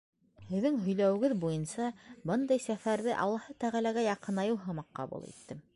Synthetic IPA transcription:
hɘ̆ðːɘŋɦɵ̆jlæwɘ̆ɡɘðbujɤnsɑbɤnd̪ɑjsæfæɾðɘʔɑ̰lˠːɑhɤt̪æʁælæɡæjɑqɤ̆nɑjɤwɦɤmɑqːɑ̰bṵlˠḭt̪ːɘ

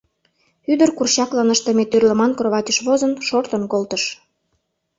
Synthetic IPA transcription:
yd̪ərkurɕɑklɑnəʃt̪əmet̪ørlə̆mɑnkroβɑtʲəʃβozənʃort̪ənkolt̪əʃ

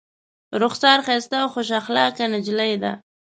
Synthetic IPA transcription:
ɾʊxsɑɾxest̪awxoʃ̬axlɑkanad͡ʒlajd̪a̰

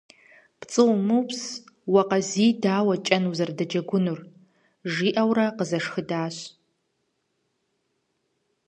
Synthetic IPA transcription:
pt͡sʼɨwmɨps | wɐqɐziːdaːwɐt͡ʃʼɐnuzɐrdɐd͡ʒɐɡʷʊnur | ʐiːʔɐwrɐqəzɐʂxɨdaːɕ

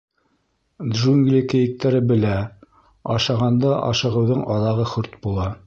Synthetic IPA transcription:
d̪ʒuŋɡlʲikɘ̆jɘ̆k̚t̪æɾɘbɘ̆læ | ɑʃɑʁɑnd̪ɑʔɑ̰ʃɤ̆ʁɤ̆wðɤɴʔɑðɑʁɤχɵɾt̪bulˠɑ

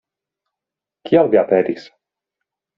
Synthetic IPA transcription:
kʰiawviapeɾis

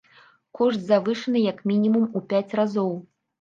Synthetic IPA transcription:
kɔʂt̪zavɨʂɨnɨjɐkmʲinʲimumupʲat͡sʲrazɔw

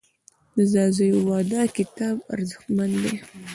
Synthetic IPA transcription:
d̪əzɑzajowɑd̪ɑkɪt̪ɑba̰ɾzəxt̪mand̪e

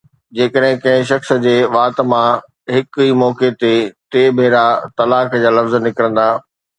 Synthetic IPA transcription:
d͡ʑeːkəɗɦɪ̃kɐ̃ɦɪ̃ʃ̬ɐxs̆d͡ʑeːʋaːt̪mã | ɦɪkiːmɔːket̪et̪eːbʱeːɾat̪ɐlaːkd͡ʑaːlɐfzənɪkɾə̃nd̪aː

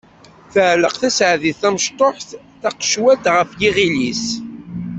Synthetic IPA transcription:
θəʕləqθæsʕðiθθæməʃt̪ˤoħθ | θæqʃwæd̪ʁəfjiʁilis

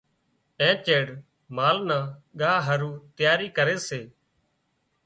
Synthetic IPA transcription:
ɛ̃ːt͡ʃeːɽ | maːlnaːɠaːɦəɾuːt̪ɪjaːɾiːkəɾeːseː

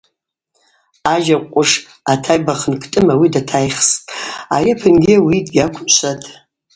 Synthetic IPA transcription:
aʒaqʷʼʊʂ | atʰajbaχənkʰʼtʼɨmawidatʰajχstʼa̰japʰɨnɡʲɪwidɡʲakʷʰʊt͡ʃʷʰatʼ

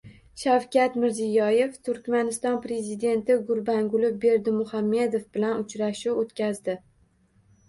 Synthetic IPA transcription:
ʃawkʲat̪mɪɾzijɒje̞ft̪ʰʊɾkʲmanɪst̪ɒnpɾe̞zid̪e̞nt̪ɪɡʊɾbaŋɡʊlɪbe̞ɾd̪ɪmʊhamːe̞d̪o̞fbɪlanʊt͡ʃɾaʃuot̪kʲʰazd̪ɪ

